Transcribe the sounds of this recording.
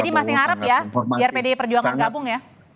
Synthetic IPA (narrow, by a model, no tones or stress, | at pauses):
dimasɪŋaɾəpjabiarpedepərd͡ʒuaŋanɡabʊŋja